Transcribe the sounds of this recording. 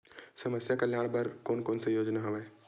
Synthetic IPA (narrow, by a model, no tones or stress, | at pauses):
səməsjakəljaːɽ̃bəɾkoːnkoːnsejoːd͡ʒnaɦɐʋe